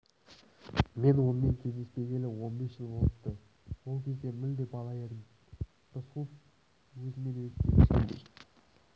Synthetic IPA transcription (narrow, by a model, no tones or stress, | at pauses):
me̞nwo̞nəme̞ŋkʲʰe̞zd̪e̞spe̞ɡʲe̞lɪwo̞nbe̞sʒəlˠbo̞lˠəp̪t̪ːə | wo̞lˠkʲʰe̞zd̪e̞mɪld̪epɑlˠɑjɑd̪i | d̪̥əsqʰup̚ | wɵzɪme̞nekʲʰet̪eʃkʲḛnd̪ḛj